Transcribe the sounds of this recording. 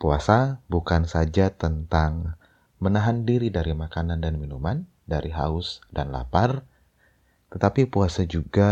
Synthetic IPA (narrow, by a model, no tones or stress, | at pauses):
puasabukansad͡ʒat̪ənt̪aŋ | mənaɦandiɾidaɾimakanandanminuman | daɾiɦa̰ʊsdanla̰par | t̪ət̪apipuasad͡ʒuɡa